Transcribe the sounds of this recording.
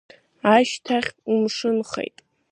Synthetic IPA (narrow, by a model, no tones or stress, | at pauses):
aʃtʰaχʲumʂɨnχḛjtʼ